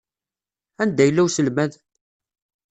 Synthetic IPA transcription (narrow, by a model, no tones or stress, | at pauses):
ænd̪æjəlːæwsəlmæð